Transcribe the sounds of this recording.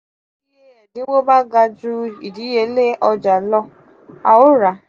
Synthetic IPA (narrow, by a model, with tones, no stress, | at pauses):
i˦ɦe˨dɪ˦wo˦ba˦ɡa˨d͡ʒu˦i˨di˨˦ɦe˦le˦ʔɔ˦d͡ʒa˨lɔ˦ | a̰˨ʊ˦ɾa˨